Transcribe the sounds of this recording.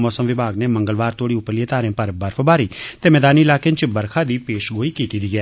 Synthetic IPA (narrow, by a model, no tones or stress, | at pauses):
mɔːsəmʋɪbʱaːɡneːmə̃ŋɡəlʋaːɾt̪oːɽiːʊpːəɾlieːt̪aːɾẽːpəɾbəɾfʰəbaːɾiːt̪eːmɛːd̪aːniːɪlaːkẽnt͡ʃbəɾkʰaːd̪iːpeːʃɡoːiːkiːt̪iːd̪iːɡɛː